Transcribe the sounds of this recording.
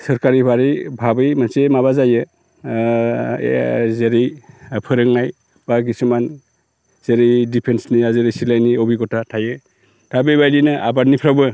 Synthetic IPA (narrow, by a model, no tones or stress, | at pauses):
sɯɾkaɾibaɾibʱabɯjmansemaβazajɯ | zeɾipʰɯɾɯŋnaj | b̥aɡisuman | z̥eɾidipʰensniazeɾisilajniɔbiɡɔtʰatʰajɯ | tʰabejbajdinɯʔa̰baɾnipʰɾawbɯ